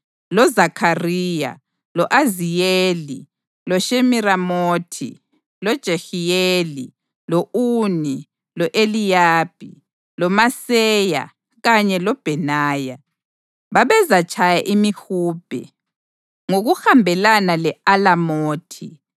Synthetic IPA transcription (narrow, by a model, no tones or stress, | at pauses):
lɔzakʰariːja̰ | lɔʔazijeːli | lɔʃemiramoːtʰḭ | lɔd̥ʒ̥ʱexijeli | lɔʔuːni | lɔʔelijaːb̥̚ʱḭ | lɔmasɛja̰ | ɣaɲɛlɔb̥ʱɛnaːja | βaβɛzat͡ʃʰʼajaʔimixuːb̥ʱɛ̰ | ŋoɣuxambʱɛlanalɛalamoːtʰi